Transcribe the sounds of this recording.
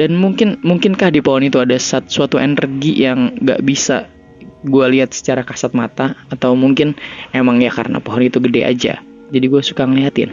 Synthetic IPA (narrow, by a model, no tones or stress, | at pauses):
danmuŋkɪnmuŋkɪnkahdipɔɦɔnit̪uadasat̪suat̪uʔenərɡijʔaŋɡa̰ʔbisa̰ | ɡualiɦat̪̚sə̥t͡ʃaɾakasat̪̚mat̪aːt̪awmuŋkɪnemaŋjaka̰ɾəna̰poɦɔnit̪uɡədea̰d͡ʒa̰ | d͡ʒadiɡuasukaŋəliɦat̪ɪ̰n